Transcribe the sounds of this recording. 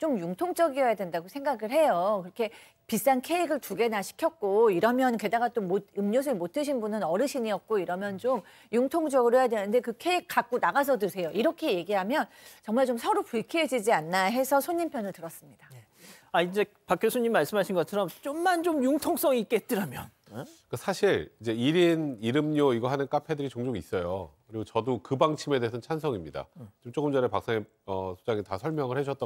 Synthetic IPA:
t͡ɕomjuŋtʰoŋt͡ɕ͈ʌɡiʌjadwe̞ndaɡosʰe̞ŋɡaɡɯɭhe̞jokɯɾʌkʰe̞ | pis͈ankʰe̞iɡɯɭtuɡe̞naɕʰi̥kʰjʌk̚k͈oiɾʌmjʌnke̞daɡat͈omod̚ɯmɲos̬ʰɯimotʰɯɕʰinbunɯnʌɾɯɕʰiɲiʌt̚k͈oiɾʌmjʌnt͡ɕom | juŋtʰoŋd͡ʑʌɡɯɾoɦejadwenɯnde̞kɯkʰe̞ik̚k͈ak̚k͈onaɡas̬ʰʌdɯsʰe̞joʔiɾʌkʰe̞je̞ɡiɦamjʌn | t͡ɕʌŋmaɭt͡ɕomsʰʌɾopuɭkʰied͡ʑid͡ʑianːaɦe̞sʰʌsʰoɲːimpʰjʌnɯɭtɯɾʌs͈ɯmɲid̥a | aind͡ʑe̞ | pakʰjosʰoɲːimːaɭs͈ɯmɦaɕʰinɡʌt͡ɕʰʌɾʌmt͡ɕ͈omːant͡ɕomjuŋtʰoŋs͈ʌŋik͈et͈ɯɾamjʌn | kasʰaɕʰiɾid͡ʑe̞iɾiniɾɯmɲoiɡʌɦanɯnk͈apʰe̞dɯɾit͡ɕoŋd͡ʑoŋis͈ʌjokɯɾiɡot͡ɕʌdokɯbaŋt͡ɕʰime̞desʰʌnt͡ɕʰansʰʌŋimɲida̰t͡ɕomt͡ɕ͈oɡɯmd͡ʑʌɾepaks͈aŋe | ʌsʰo̥d͡ʑaŋitasʰʌɭmjʌŋɯɭhed͡ʑuʌt͈ʌ

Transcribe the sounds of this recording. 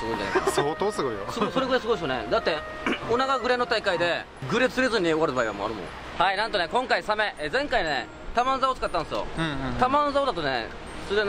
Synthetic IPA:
sɨɡo̞ĩɲd͡ʑa̰na̰ksot̪oːsɨɡoijosɨɡoso̞ɾe̞ɡɯɾesɨɡosjonḛd̪at̪ːe̞ | onaɡaɡɯ̟ɾe̞not̪aikaid̪e̞ | ɡɯ̟ɾe̞t͡sɨɾe̞zɨɲ̟io̞aɾɯbaiβa̰mo̰a̰ɾɯ̟mõ̰ŋ | hainãnt̪one̞kõ̞ŋkaisame̞ʔezẽ̞ŋkainḛ | t̪amãnzaot͡sɨ̥kat̪ːãñesɨjõ̰t̪amãnzaod̪at̪onḛ | sɨɾe

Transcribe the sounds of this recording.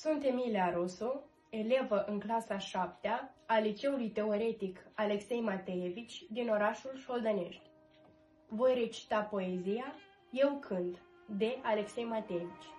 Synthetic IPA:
sunt̪e̞mileaɾo̞so | e̞le̞vəʔɨŋklasaʃap̚t̪eaːlit͡ʃe̞ulujt̪e̞o̞ɾe̞t̪ikale̞kse̞jmat̪ejevit͡ʃʲd̪ino̞ɾaʃulʃo̞ld̪əne̞̰ʃt̪ʲ | vo̞jre̞t͡ʃi̥t̪apo̞ezija | je̞wkʰɨnd̪ | d̪e̞ʔale̞kse̞jmat̪ejevit͡ʃʲ

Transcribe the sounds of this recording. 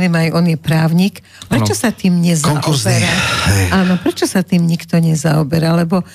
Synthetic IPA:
niːmajʔɔnjɛpɾaːʊɲiːk | pɾɛt͡ʃɔsat̪iːmɲɛzaŋʔkɔuziɾahɛjaːnɔpɾɛt͡ʃɔsat̪iːmɲikt̪ɔɲɛzaɔbɛɾalɛbɔ

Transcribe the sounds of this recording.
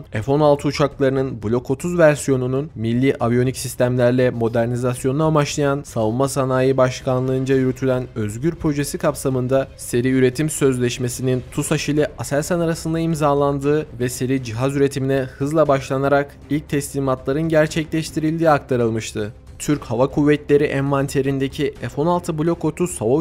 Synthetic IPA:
efo̞nalˠt̪ʰɯut͡ʃʰaklˠaɾɯnɯnbulʲo̞kʰo̞t̪ʰuzvæɾsjo̞nununmilʲːiːʔavjo̞nicsist̪ʰæmlʲæɾlʲɛmo̞d̪æɾnizasjonunamaʃlˠajanssavunmasanaːjɯbaʃkʰanlˠɯɯnd͡ʒajyɾyt̪ʰylʲænø̞zɟyɾpʰɾo̞ʒe̞sikʰapsamɯnd̪a | se̞ɾiyɾe̞t̪ʰimsøzlʲɛʃme̞sinint̪ʰusaʃɯjlʲˠɛʔasɛɾʲsanaɾasɯnd̪aimzaːlˠand̪ɯːvɛse̞ɾid͡ʒiɦazyɾe̞t̪ʰiminɛhɯzlˠabaʃlˠanaɾak | ilʲc̚t̪ʰɛslʲiːmat̪lˠaɾɯnɟæɾt͡ʃʰɛclʲɛʃt̪ʰiɾilʲd̪iːakt̪ʰaɾɯlˠmɯʃt̪ʰɯ | t̪ʰyɾchavakʰuvːɛt̪lʲe̞ɾiʔɛnvant̪ʰe̞ɾind̪ecʰiɛfo̞nalˠt̪ʰɯbulʲo̞ko̞t̪ʰusavo

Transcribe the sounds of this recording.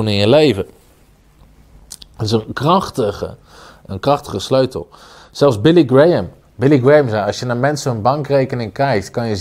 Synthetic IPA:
unɪnjəlejvə | ɪsənkrɑχtəə | ənkrɑχtəχəsløɥtə̰l̩ˠ | sɛlˠfzbɪliɡɹejəm | bɪliɡɹejəmzɛjɑlˠsjənaːmɛntsəənbɑŋkrejkənɪŋkɛjk̚tkɑnjə

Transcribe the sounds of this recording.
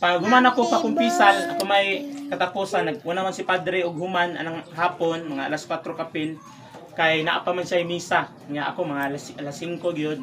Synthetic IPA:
pɐŋɡhʊmanɐkopakʊŋpiːsalɐkomɐjkɐt̪ɐpoːsanːɐɡ̚unɐmansɪpad̪ɾɛʔoɡ̚hʊmanɐ̰nɐŋhaːponmɐŋaʔɐlaskwat̪ɾokapɪn | kajna̰ʔa̰pamanʃajmiːsa | ŋjaʔɐko̞mɐŋaʔlasʔɐlasːiŋkoɡɐjod̪̚

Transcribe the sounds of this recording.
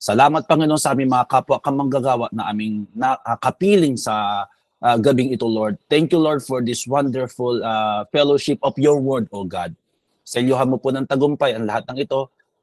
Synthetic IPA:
sɐlaːmɐt̪̚pɐŋɪnonsɐʔaːmɪŋmɐŋakaːpʊaʔkɐŋmɐŋɡaɡaːwɐʔnɐʔaːmɪŋnɐʔɐkɐpiːlɪŋsɐ | ʔɡɐbɪŋɪt̪oloɹd̪̚t̪ɛŋkjuloɹd̪̚fɔɹd̪ɪswɐnd̪ɛɹfʊlafɛloʃɪp̚ɔfjɔɹwɛɹd̪oɡa̰d̪̚ | sɛljʊɦaɐnmoponɐŋt̪ɐɡʊmpajɐŋlɐhat̪̚nɐŋɪt̪o̞

